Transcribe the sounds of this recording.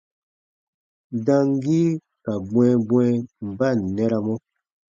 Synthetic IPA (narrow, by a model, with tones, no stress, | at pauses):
da˦ŋ˦ɡi˦ | ka˨ɡ͡bwɛ̃˨bwɛ˦m̩˨ba˦˨n˨nɛ˦ɾa˨mɔ˦